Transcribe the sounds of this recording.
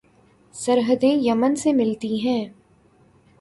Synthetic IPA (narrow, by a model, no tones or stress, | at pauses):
sɐɾɦəd̪ẽjɐmənsemɪlt̪iɦɛ̃ː